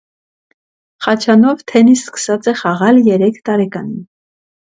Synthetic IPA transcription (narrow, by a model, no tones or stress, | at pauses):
χɑt͡ʃʰɑnɔvt̪ʰɛnisskə̥sɑt͡sɛχɑʁɑljɛɾɛkʰt̪ɑɾɛkɑnin